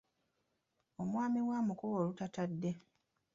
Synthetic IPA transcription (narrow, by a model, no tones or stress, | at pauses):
o̞mwaːmiwamukowoːlutatadːe̞